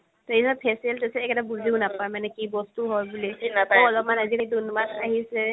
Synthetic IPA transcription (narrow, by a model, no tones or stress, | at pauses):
tɔisabpʰɛsiɛltesɛːkɛtabuziʊnapaemanɛkibɔstuɦɔjbuliinapaɔlɔmanazikadunmanaɦisɛ